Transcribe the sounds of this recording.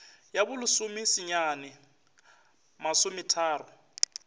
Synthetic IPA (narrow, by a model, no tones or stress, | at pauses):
jabʊlʊsʊmɪsɪɲaːnɛ | masʊmɪtʰaːrʊ